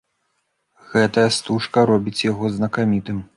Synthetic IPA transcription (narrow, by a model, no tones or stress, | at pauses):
ɣɛt̪ɐjɐst̪uʂkɐɾɔbʲit͡sʲjaɣɔznɐkamʲit̪ɨm